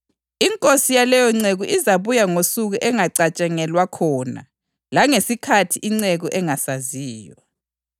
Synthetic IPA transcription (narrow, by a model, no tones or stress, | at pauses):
iŋkʼosijalɛjɔŋ͡ǀeɣuʔizaβujaŋosuɣuʔɛŋaǀat͡ʃʼɛŋɛlwakʰɔːna̰ | laŋesikʰatʰiʔiŋ͡ǀeɣuʔɛŋasaziːjɔ